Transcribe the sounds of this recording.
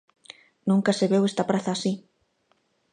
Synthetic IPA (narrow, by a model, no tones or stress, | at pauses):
nũŋkaseβewest̪apɾaθaːsi